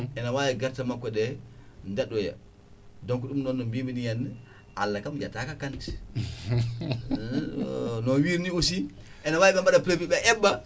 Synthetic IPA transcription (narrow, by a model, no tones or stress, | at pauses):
enawajiɡaɾtamakʷːoɗendaɗoja̰ | doŋkuɗumnonːombibinijanːə | alːakamd͡ʒatakakan | nowiɾniosi | enawaːjɓembadapɾebiɓeʔɛbːa